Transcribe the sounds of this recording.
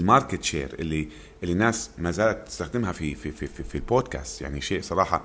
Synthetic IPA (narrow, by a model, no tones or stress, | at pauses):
lmɑɾˤkɪt̪ʃḛːɾʔɪ̰lːi | ʔɪlːinːaːsmaːzaːlat̪ːɪ̥st̪axd̪ɪmɦafififififilboːd̪̚ka̰ːst̪ja̰ʕniʃeːʔsˤɑɾˤɑːħɑ